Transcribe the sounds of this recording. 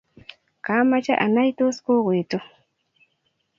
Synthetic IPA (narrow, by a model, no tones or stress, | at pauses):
kamat͡ʃaʔanajt̪ʊskoɢʊjt̪ʊ